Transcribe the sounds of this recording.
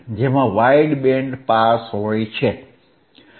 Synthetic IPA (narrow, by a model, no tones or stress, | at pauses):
d͡ʒemãʋaiɖbẽɳɖpaːsɦoit͡ʃʰɛ